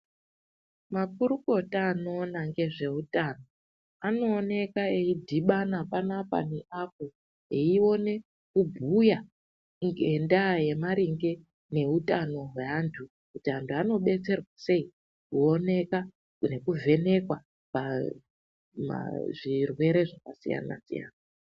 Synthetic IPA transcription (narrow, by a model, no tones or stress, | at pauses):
mapuɾuko̞taːno̞ːnaŋɡe̞ʐe̞utano̞ | ano̞ːne̞kaeidʱiɓanapanapa̰neʔapo̞ | eio̞ne̞ | kubʱuja | ŋɡe̞ndaje̞maɾiŋɡe̞ | ne̞utano̞ɦwe̞antʰu | kutiantʰuano̞ɓe̞t͡se̞rwase̞i | kuo̞ne̞ka | ne̞kuvʱe̞ne̞kwa | pa | ma̰ʐirwe̞ɾe̞ʐakasija̰na̰sḭja̰ːna